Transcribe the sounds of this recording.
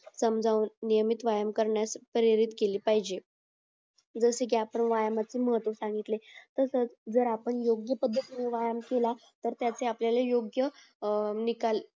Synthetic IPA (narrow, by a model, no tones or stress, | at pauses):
səmd͡zʱaunːijəmit̪ʋajəmkəɾɳjaspəɾiɾit̪keliːpaɦid͡ʑe | d͡zəsek̬japəɳʋajəmat͡siːməɦət̪ʋəsãŋɡit̪let̪əsət͡sd͡zəɾapəɳjoɡjəpəd̪ʱːət̪meʋajamkelat̪əɾt̪jat͡seapljalajoɡjə | nikal